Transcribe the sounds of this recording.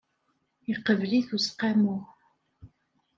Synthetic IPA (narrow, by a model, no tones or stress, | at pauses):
iqəvliθusqæmʊʁ